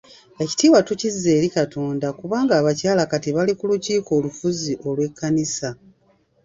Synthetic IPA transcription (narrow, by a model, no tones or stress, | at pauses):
e̞ci̥tiːβwatucizːe̞ːɾikatoːndakuβaːŋɡaːβacaːlakatiβalikuluciːko̞ːlufuziʔo̞lwe̞kːanisa